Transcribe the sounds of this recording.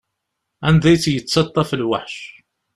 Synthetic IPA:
ænd̪æjt͡sːjət͡sːsɑt̪ˤːɑfəlwaħʃ

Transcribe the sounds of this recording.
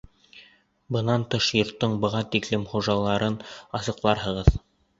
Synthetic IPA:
bɤ̆nɑnt̪ɤʃjŏɾt̪ːɤɴbɤ̆ʁɑt̪iklɘmχuʒɑlˠɑɾɤnɑsɤ̆qlˠɑɾɦɤ̆ʁɤð

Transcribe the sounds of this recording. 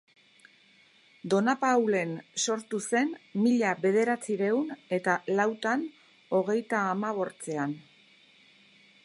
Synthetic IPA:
d̪o̞napawle̞nso̞ɾt̪use̞nmiʎaβe̞ð̞e̞ɾat͡siɾe̞une̞t̪alawt̪an | o̞ɣ̞e̞jt̪aːmaβ̞o̞ɾt͡se̞an

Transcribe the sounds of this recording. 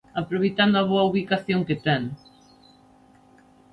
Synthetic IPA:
apɾoβejt̪and̪oaβoɐauβ̞ikaθjoŋket̪ɛŋ

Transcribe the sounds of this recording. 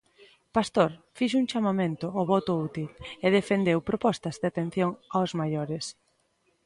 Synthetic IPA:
past̪oɾfiʃuŋt͡ʃamamẽnt̪ʊɔβɔt̪ʊut̪ileðefend̪ewpɾopɔst̪ɐzdat̪ẽn̟θjoŋawzmajoɾes

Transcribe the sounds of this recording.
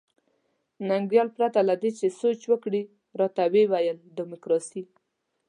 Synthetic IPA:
naŋɡɾjɑlpɾat̪alad̪et͡ʃesot͡ʃwəkɽi | ɾɑt̪awewajəld̪ɪmʊkɾɑsi

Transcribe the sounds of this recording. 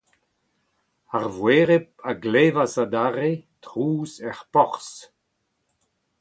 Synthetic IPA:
aʁvweːʁep̚aɡleːvasad̪aʁetʁuːzɛʁpɔʁs

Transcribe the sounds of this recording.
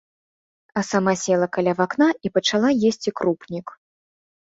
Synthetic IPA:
ɐsamasʲɛlˠɐkalʲavaknaipɐt͡ʂalˠajesʲt͡sʲikɾupnʲik

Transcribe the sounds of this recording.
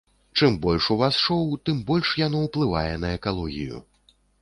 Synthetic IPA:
t͡ʂɨmbɔlʲʂuvasʂɔwt̪ɨmbɔlʲʂjan̪ɔwplˠɨva̰jɛnɐɛkalˠɔɣʲḭjṵ

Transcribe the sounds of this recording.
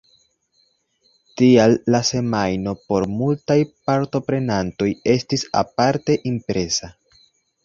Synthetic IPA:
tialːase̞majno̞po̞ɾmultajpaɾto̞pɾe̞nanto̞je̞stisa̰paɾte̞ʔimpɾe̞sa

